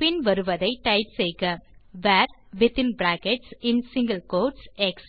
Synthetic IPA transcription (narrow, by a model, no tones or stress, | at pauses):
pɪnʋɐɾɯʋɐðɐɪʈɐɪʈsɛjkɐʋaːɾ | ʋɪt̪ɪnbɾaːkɛʈsɪnsɪŋɡɐlkoːɖsɛks